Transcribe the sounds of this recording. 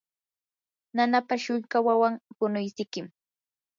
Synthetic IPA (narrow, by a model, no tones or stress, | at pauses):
nanapaʃʊŋkawawaŋpʊnʊjsɪkɪm